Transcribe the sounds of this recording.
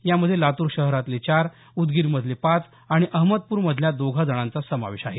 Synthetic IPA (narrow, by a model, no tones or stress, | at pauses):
jaməd̪ʱːjelat̪uːɾɕəɦɾat̪let͡ɕaɾ | ud̪ɡiːɾməd̪ʱlepat͡s | aɽ̃iʔəɦməd̪̚puːɾməd̪ʱljad̪oɡʱad͡zəɽ̃ãnt͡sasəma̰ʋeɕaɦe